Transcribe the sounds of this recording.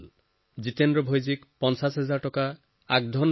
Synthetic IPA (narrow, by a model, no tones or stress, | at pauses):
l | d͡ʑit̪endɾobʱojd͡ʑikpɔnʃasɦɛd͡ʑaɾʈɔka | ak̚d̪ʱɔn